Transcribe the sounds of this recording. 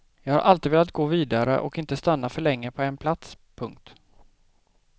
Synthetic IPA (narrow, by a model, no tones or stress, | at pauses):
jɑːɡhaɾʔalt̪ɪːd̪veːlat̪̚ɡoːviːd̪aɾə̰ʔɔ̰kɪnt̪əst̪anːafœɭɛŋːəpʰɔɛnpʰlat̪s | pʰɵŋk̚t̪